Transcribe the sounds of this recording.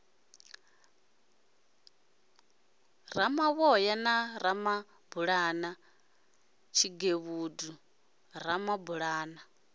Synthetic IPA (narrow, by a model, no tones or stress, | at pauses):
ramaβɔjanaɾama | buɺana | t͡ʃʰiɡeβuːdu | ɾamabuɺaːna